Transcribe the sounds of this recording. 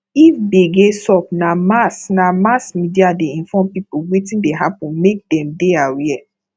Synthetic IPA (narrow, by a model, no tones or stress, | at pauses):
ifbeɡesɔp̚namasnamasmidiadeĩnfɔmpipuwetĩndeɦapũnmek̚dɛ̃mdeawiɛ